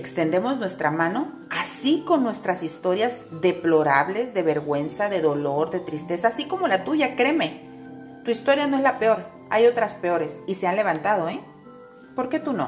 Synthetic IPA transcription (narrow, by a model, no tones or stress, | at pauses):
ekst̪e̞nd̪e̞mo̞znwe̞st̪ɾamãno̞ | asiko̞nːwe̞st̪ɾasist̪o̞ɾjazðe̞plo̞ɾaβle̞zðe̞βe̞ɾɣwe̞nsaðe̞ðo̞lo̞ɾðe̞t̪ɾist̪e̞saːsiko̞mo̞lat̪uʝakɾe̞me̞ | t̪uist̪o̞ɾjano̞e̞zlape̞o̞ɾ | a̰jo̞t̪ɾaspe̞o̞ɾe̞sise̞anle̞βant̪að̞o̞e | po̞ɾke̞t̪uno̞̰